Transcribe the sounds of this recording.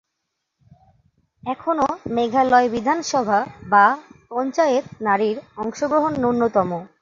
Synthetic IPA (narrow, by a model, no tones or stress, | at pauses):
ɛkʰonomeɡʱalɔebid̪ʱanʃɔbʱabapɔnt͡ɕaet̪naɾiɾɔŋʃoɡɾoɦonːunːot̪ɔmo